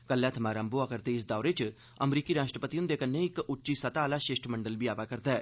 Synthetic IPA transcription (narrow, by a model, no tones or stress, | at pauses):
kəlːɛ̃ːt̪ʰəmaːɾaːmboaːkəɾt̪eːɪs̬d̪aːɾeːt͡ʃ | əmɾiːkiːɾaːʃʈɾəpət̪iʊ̃nd̪eːkənːẽːɪkʊʈːt͡ʃiːsət̪aːlaːʃɪʃʈʰməɳɖəlbiːaːpaːkəɾd̪aːɛː